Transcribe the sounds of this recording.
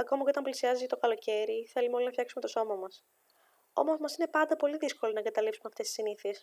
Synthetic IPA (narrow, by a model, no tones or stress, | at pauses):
ɐko̞mɐceot̪ɐmplisiɐzizit̪o̞kɐlo̞ce̞ɾiθe̞lumeo̞linɐfçɐksume̞t̪o̞so̞mɐmɐs | o̞̰mo̞zmɐsine̞pɐnd̪ɐpo̞liðisko̞lonɐeŋɡɐt̪ɐlipsumeɐft̪esi̥siniθies